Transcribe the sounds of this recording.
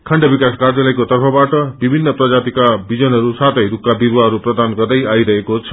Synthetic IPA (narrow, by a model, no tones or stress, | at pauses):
kʰaɳɖʌbikaskard͡zalʌjkot̪ʌrpʰʌbaʈʌbibʱinːʌprʌd͡zat̪ikabid͡zʌnɦʌɾusat̪ʰʌjɾukːabirwaɦʌɾuprʌd̪anɡʌrd̪ʌjajɾʌɦekot͡sʰʌ̥